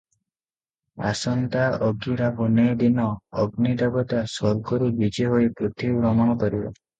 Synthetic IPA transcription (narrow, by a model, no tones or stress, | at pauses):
a̰sɔnt̪aɔɡiɾabunejd̪inɔɔɡnid̪abɔt̪asɔɾɡɔɾubid͡ʒeɦojpɾot̪ʰiɾɔmɔɽ̃ɔkɔɾibɔ̰